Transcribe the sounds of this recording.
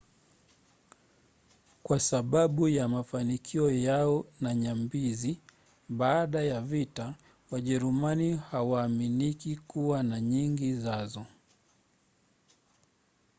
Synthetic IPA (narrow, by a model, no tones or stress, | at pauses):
kwasaɓaɓujamafanikʰiɔjaɔnaɲambizi | ɓaːɗajavita | waʄɛɾumanihawaːminikikuwanaɲiŋɡizazɔ